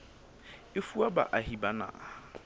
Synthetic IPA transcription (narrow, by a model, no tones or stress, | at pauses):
efuaba̰ʔaɦibanã̰ː